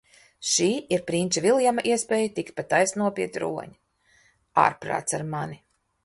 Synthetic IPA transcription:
ʃiːiɾpɾinavilˠjamaʔiɛspʲɛːjut̪ikt̪̚pat̪ajsnuɔpʲiɛt̪ʲɾṵɔ̰ɲi | a̰ːɾpɾa̰ːt̪saɾmani

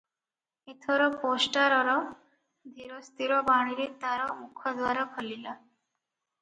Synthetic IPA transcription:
et̪ʰɔɾɔposʈaɾɔɾɔ | d̪ʱiɾost̪iɾɔbaɽ̃iɾet̪aɾɔmukʰɔd̪ʱwaɾɔkʰɔlila

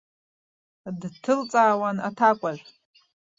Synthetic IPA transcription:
dtʰɨlt͡sʼaːwana̰tʰakʷʼaʒʷᶣ

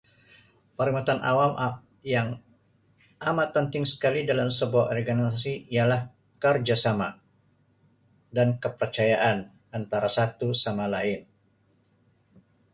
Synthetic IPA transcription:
pəɾimat̪anʔa̰wama | jaŋ | ʔamat̪̚pənt̪ɪŋsə̥kalidalamsəbuaɔrɡanisasiijalah | kərd͡ʒasama | dankəpərt͡ʃajaʔan | ant̪aɾasat̪usamalaɪn

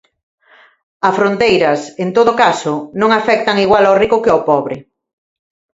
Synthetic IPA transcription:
ɐsfɾont̪ejɾɐsent̪oðʊkasʊnõŋafɛk̚t̪ɐŋiɣwalawrikʊkɪowpɔβɾɪ

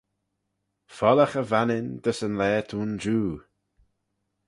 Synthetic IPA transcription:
fɔləxəvanɪnd̪əsənlɛːt̪ʰuːnd͡ʒuː

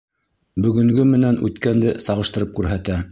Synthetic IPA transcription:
bɵ̆ɡɵ̆ŋɡɵmɘ̆nænʉ̰t̪kænd̪ɘsɑʁɤ̆ʃt̪ɤ̆ɾɤp̚kʉɾɦæt̪æ

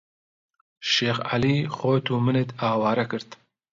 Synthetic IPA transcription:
ʃeːxa̰lixoːt̪ʰumɨnet̪ɑːwɑːɾɐkɨɾt̪

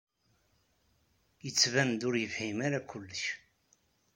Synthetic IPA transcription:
jət͡sːvænd̪ʊɾjəfhimaɾakʷʰʊlːəç

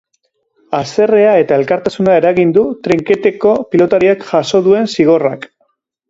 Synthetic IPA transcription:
ase̞re̞ae̞t̪ae̞lkaɾt̪asunae̞ɾaɣind̪ut̪ɾiŋke̞t̪e̞ko̞pilo̞t̪aɾiakʝaso̞ðue̞nsiɣ̞o̞rak

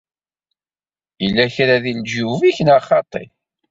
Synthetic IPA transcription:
ilːæçɾæðind͡ʒuviçənaχɑt̪ˤḭ

